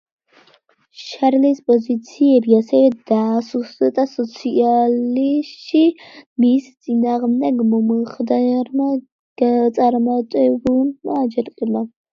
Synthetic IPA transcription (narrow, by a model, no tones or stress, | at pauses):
ʃaɾlispʼɔzit̪sʰiɛbiasɛvɛd̪aːsusd̪at̪ʼasɔt̪sʰialiʃimist̪sʼinaːʁmd̪ɛɡmɔmχd̪aɾma | ɡt̪sʼaɾmat̪ʼɛbulmaːd͡ʒɛɾqʼila